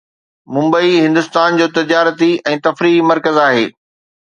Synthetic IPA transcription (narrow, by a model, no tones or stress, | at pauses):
mʊ̃mbəiɦɪ̃nd̪ʊst̪aːnd͡ʑoːt̪ɪd͡ʑaːɾət̪iɛ̃ːt̪ɐfɾiːmɐɾkəzaːɦeː